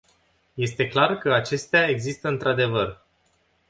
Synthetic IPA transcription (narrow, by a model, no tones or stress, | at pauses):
je̞st̪e̞klarkəat͡ʃe̞st̪eae̞ɡzist̪əɨnt̪ɾad̪e̞vər